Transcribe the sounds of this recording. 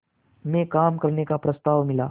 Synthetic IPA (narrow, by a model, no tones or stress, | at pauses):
mekamkəɾɳekapɾəst̪aʋmila